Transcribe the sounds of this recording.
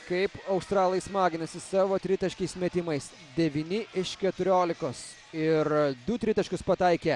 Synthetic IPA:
kɐɪpɐʊst̪ɾɑːlˠɐjsmɑːɡʲɪnɐsʲɪsɑːʋoːt̪ʲɾʲɪt̪ɐʃʲkʲɛɪsmʲɛt̪ʲɪmɐɪs | d̪ʲɛʋʲiːnʲɪɪʃkʲɛt̪ʊɾʲoːlʲɪkoːs | ɪɾd̪ʊt̪ʲɾʲɪt̪ɐʃʲkʲʊspɐt̪ɐɪkʲe

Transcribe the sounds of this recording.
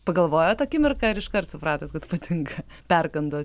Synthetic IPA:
pɐɡɐlˠʋoːjoːt̪ɐkʲɪmʲɪrkɐɪɾɪʃkɐrt̪sʊpɾɑːt̪ʲoːt̪kɐt̪pɐt̪ʲɪŋkɐ | pʲɛrkɐnd̪oːs

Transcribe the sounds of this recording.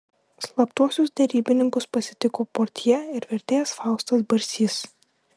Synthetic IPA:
slˠɐpt̪uɔsʲʊsd̪ʲɛɾʲiːbʲɪnʲɪŋkʊspɐsʲɪt̪ʲɪkoːpoːɾʲt̪ʲjɛɪɾʋʲɛɾʲt̪ʲeːjɛsfɑˑʊst̪ɐsbɐɾʲsʲiːs

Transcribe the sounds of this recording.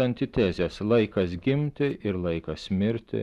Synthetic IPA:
ɐnʲt̪ʲɪt̪ʲɛzʲɛslˠɐɪkɐsɡʲɪmʲt̪ʲɪʔɪɾlˠɐɪkɐsmʲɪɾʲt̪ʲɪ̰

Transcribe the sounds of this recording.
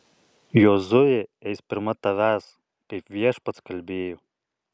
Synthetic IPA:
joːzʊjeɛɪspʲɪɾmɐt̪ɐʋʲæːs | kɐɪpʋʲiɛʃpɐt̪skɐlʲbʲeːjoː

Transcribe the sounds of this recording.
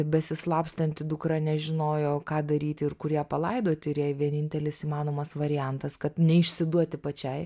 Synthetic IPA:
bʲɛsʲɪslˠɑːpsʲt̪ʲɐnʲt̪ʲɪd̪ʊkɾɐnʲɛʒʲɪnoːjoːkɑːd̪ɐɾʲiːt̪ʲɪɪɾkʊɾʲjɛpɐlˠɐɪd̪oːt̪ʲɪɾjɛjʋʲiɛnʲɪnʲt̪ʲɛlʲɪsiːmɑːnoːmɐsʋɐɾʲɪjɛnt̪ɐskɐt̪nʲɛɪʃʲsʲɪd̪uɔt̪ʲɪpɐt͡ʃʲɛɪ

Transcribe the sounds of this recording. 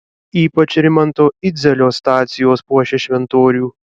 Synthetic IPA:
iːpɐt͡ʃɾʲɪmɐnt̪oːɪd̪zʲɛlʲoːst̪ɑːt̪sʲɪjoːspuɔʃʲɛʃʲʋʲɛnt̪oːɾʲuː

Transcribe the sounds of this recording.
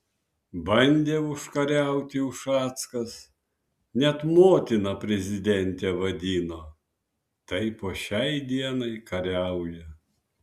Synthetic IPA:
bɐnʲd̪ʲeːʊʃkɐɾʲɛˑʊt̪ʲɪʊʃɑːt̪skɐs | nʲɛt̪moːt̪ʲɪnɐpʲɾʲɛzʲɪd̪ʲɛnʲt̪ʲɛːʋɐd̪ʲiːnoː | t̪ɐɪpoːʃʲɛɪd̪ʲiɛnɐɪkɐɾʲɛʊjɛ

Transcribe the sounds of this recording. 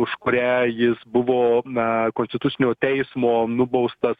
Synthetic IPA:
ʊʃkʊɾʲæːjɪsbʊʋoːkoːnsʲt̪ʲɪt̪ʊt͡s̪ʲɪnʲoːt̪ʲɛɪsmoːnʊbɐʊst̪ɐs

